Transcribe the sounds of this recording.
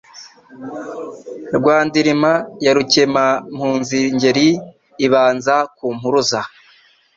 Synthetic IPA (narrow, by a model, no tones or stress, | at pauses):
ɾɡwaːndiɾimajaɾucemam̥huːnziɲɟe̞ɾiː | βaːnzakuːm̥huɾuza